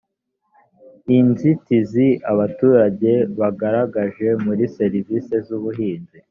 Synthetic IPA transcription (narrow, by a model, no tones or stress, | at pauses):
inzitiziaβatuːɾaɟe̞βaɡaɾaɡaʒe̞muɾise̞ɾiviːse̞zuβuɦiːnzi